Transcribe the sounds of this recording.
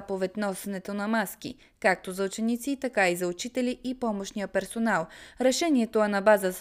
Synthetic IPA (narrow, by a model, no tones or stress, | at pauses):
povɛt̪ʲnɔsɛnɛt̪onɐmaskḭ | kak̚t̪ozɐʊt͡ʃɛnit̪sit̪ɐkaizɐʊt͡ʃit̪ɛliʔipɔmoʃnijəpɛɾsonalˠɾɛʃɛniɛt̪oɐnɐbazə